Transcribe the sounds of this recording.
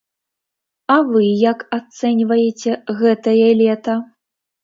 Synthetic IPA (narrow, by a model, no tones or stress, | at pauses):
avɨjakat̪sɛnʲvɐjet͡sʲɛɣɛt̪ɐjɐlʲɛt̪ɐ